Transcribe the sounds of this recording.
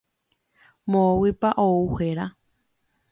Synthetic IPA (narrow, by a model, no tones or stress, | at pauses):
mowipaʔouheɾa